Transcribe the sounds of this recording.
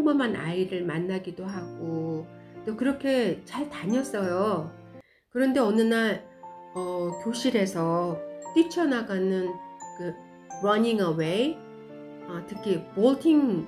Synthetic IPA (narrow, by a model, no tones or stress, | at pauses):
ŋmʌmana̰iɾɯɭmanːaɡidoɦaɡ̥o | t͈okɯɾʌkʰe̞t͡ɕaɭtaɲʌs͈ʌjo | kɯɾʌnde̞ʌnɯnaɭ | ʌkjoɕʰiɾe̞sʰʌt͈it͡ɕʰʌnaɡanɯnkɯ | ɾʌɲiŋʌwe̞i | ʌtʰɯkʰipoɭtʰiŋ